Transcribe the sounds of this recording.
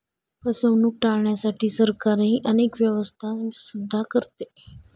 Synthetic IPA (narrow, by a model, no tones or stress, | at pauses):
pəsəʋnuːk̚ʈaɭɳjasaʈiːsəɾkaɾɦiːʔənekʋjəʋəst̪ʰasud̪ʱːakəɾt̪e